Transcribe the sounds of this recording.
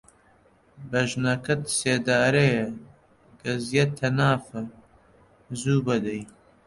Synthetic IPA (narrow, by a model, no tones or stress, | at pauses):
bɐʒnɐkɐt̪seːd̪aːɾe | ɡ̥ɐzjɐt̪ʰɐnaːfɐ | zuːbɐd̪ɐj